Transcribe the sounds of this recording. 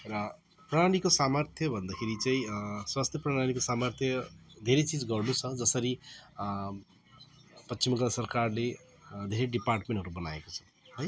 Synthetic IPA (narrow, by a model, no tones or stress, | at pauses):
rʌ | praɽañikosamʌrt̪ʰjʌbʱʌnd̪akʰeɾit͡saĩswast̪ʰjʌpraɽaɽ̃ikosamʌrt̪ʰjʌd̪ʱeɾet͡sid͡zɡʌrnut͡sʰʌd͡zʌsʌɾi | pʌt͡st͡ʃimksʌrkarle | d̪ʱeɾeɖiparʈmẽɳʈɦʌɾubʌnaekot͡sʰʌ̥ | ɦoj